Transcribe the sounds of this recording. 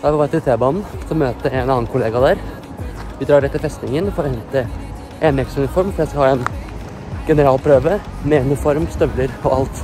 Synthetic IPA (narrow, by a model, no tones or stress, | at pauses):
d̪æʋʋɑt̪ʰɪlt̪ʰeːbɑnn̩sɔmːøːt̪əɛnɑːnkʰʊleːɡɑd̪æɾ | ʋɪd̪ɾɑːɖɛɪt̪ʰːɪlfɛst̪ɪŋənfɔɾɔhɛnt̪ə | ʔeːnɛksʉnɪfɔɾmfɔɾjæɪskɑhɑːɛn | ɡ̥ɛnəɾɑːlpʰɾøːʋəmeːnɪfɔɾmst̪œʋləɾɔɑlt̪